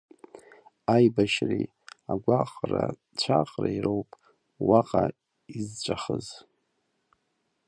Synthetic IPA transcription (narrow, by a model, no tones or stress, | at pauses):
ajbaʃri | aɡʷaqʼra | t͡ɕʷʰaqʼrairowpʼ | waqʼa | izt͡ɕʷʼaχəz